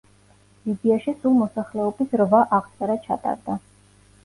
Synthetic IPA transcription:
lid̪iaʃisulˠmɔsaχlɛɔbisɾvaʔaʁt̪sʼɛɾat͡ʃʰa̰t̪ʼa̰ɾd̪a

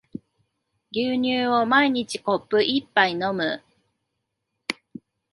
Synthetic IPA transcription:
ɡʲɨːɲɨːo̞maiɲ̟it͡ɕiko̞pːɯ̟ʔipːaino̞mɯ̟

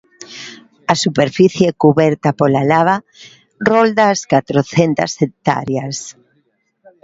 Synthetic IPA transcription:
asupeɾfiθjekuβɛɾt̪apolalaβa | rold̪aːskat̪ɾoθent̪a̰sek̚t̪a̰ɾjas

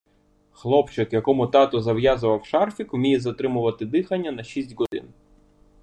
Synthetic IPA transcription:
xlˠɔpt͡ʃɪkjɐkɔmʊt̪ɑt̪ɔzɐwjazʊʋɐwʃɑrfʲikwmʲijɛzɐt̪ɾɪmʊʋɐt̪ɪd̪ɪxɐnʲːɐnɐʃʲisʲtʲɣɔd̪ɪ̰n

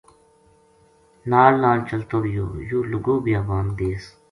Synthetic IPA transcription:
naːlnãːnt͡ɕɐlt̪oːɾjo̰ːjuːluɡoːbiaːbaːnd̪eːs

